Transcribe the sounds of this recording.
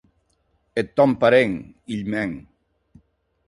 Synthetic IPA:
et̪ːɔmpaɾeŋ | iʎmɛŋ

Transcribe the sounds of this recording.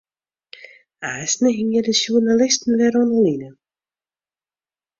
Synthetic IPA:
asnəɦɪŋjədəsjuərnalɪstn̩vɛɾɔnəlinə

